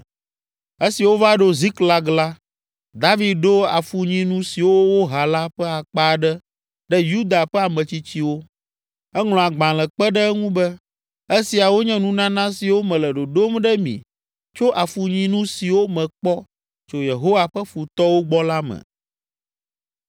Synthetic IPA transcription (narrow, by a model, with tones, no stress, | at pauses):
e˦si˨wo˦va˦ɖo˦zi˦kla˦ɡla˦ | d̪a˦vi˨d̪̚ɖo˦a̰˨fu˨ɲĩ˦nũ˦si˨wo˦wo˦ɦa˨la˦ɸɛ˦a˨k͡pa˦ɖɛ˦ | ɖɛ˦ju˦d̪a˨ɸɛ˦a˨mɛ̃˨t͡ɕi˦t͡ɕi˦wo˦ | ɛ˦ŋl̃ɔ̃˨a˨ɡ͡bã˨lɛ˨k͡pɛ˦ɖɛ˦ŋũ˦bɛ˦ | e˦si˨a˨wo˦ɲɛ̃˦nũ˦nã˦nã˦si˨wo˦mɛ̃˨lɛ˨ɖo˨ɖo˦mɖɛ˦mḭ̃˨ | t͡ʃo˦ʔa˨fu˨ɲĩ˦nũ˦si˨wo˦mɛ̃˨k͡pɔ˦ | t͡ʃo˨je˨ɦo˦wa˨ɸə˦fu˨t̪ɔ˦wo˦ɡ͡bɔ˦la˦mɛ̰˨